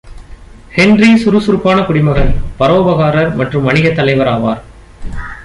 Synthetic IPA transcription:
hɛnrisʊɾɯsʊɾpːaːnɐkʊɽɪmɐɣɐɾpɐɾoːbɐɣaːɾɐɾmɐʈrɯmːɐɳɪɣɐt̪ːɐlɐɪʋɐɾaːʋaːɾ

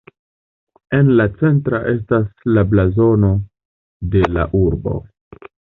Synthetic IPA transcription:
e̞nlat͡se̞ntɾaʔe̞staslablazo̞no̞ | de̞la̰ʔuɾbo̞̰

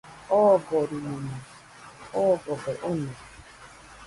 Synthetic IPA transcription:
ɔɡɔɾinunu | ɔɡɔɡeʔone

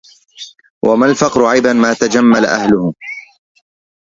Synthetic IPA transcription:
wʔamalfɑqɾʊʕajbanmaːt̪ad͡ʒamːala̰ʔa̰hlʊhʊ

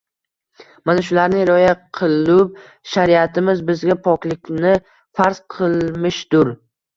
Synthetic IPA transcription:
manaʃ̬ʊlaɾnɪɾɒjaqʰɨlˠʊp̚ | ʃaɾiat̪ʰɪmɪzbɪzɡʲapʰɒkʲlɪkʲnɪ | faɾz̥qʰɨlˠmɪʃd̪̥ʊɾ

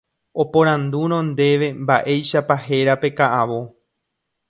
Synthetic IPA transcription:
o̞põɾ̃ãnd̪uɾ̃õ̞nd̪e̞ʋe̞mbaʔe̞jʃapaɦe̞ɾape̞kaʔaʋo̞

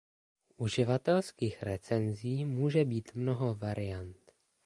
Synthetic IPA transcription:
ʔuʒɪvat̪ɛlskiːxɾɛt͡sɛnziːmuːʒɛbiːt̪mno̞ɦo̞vaɾɪjant̪

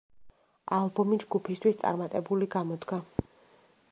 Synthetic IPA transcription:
alˠbɔmid͡ʒɡupʰist̪ʰwist̪sʼa̰ɾmat̪ʼɛbuliɡamɔd̪ɡa

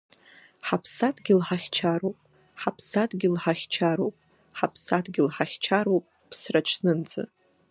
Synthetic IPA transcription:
ħapʰsatɡʲɪlħaχʲt͡ʃʰaɾowpʼ | ħapʰsatʼɡʲɪlħaχʲt͡ʃʰaɾowpʼ | ħapʰsatʰʼɡʲɪlħaχʲt͡ʃʰaɾopʼ | pʰsrat͡ʃʰnɨnd͡zɨ̰

